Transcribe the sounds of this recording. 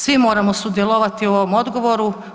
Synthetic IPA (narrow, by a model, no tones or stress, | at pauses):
sʋimo̞ːɾamosud̪jelˠoʋat̪iooʋomo̞d̪ɡo̞ʋo̞ɾu